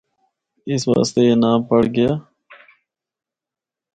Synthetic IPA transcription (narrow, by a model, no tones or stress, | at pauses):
ɪsʋa̰ːst̪eːjeːnaːmpəɽɡəjaː